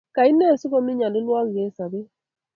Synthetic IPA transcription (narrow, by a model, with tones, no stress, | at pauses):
ka˨i˦ne˦˨sɪ˦kɔ˦mi˦ɲa˨nɪ˦lwa˦ŋ˨ɡe˨˦sa˨be˦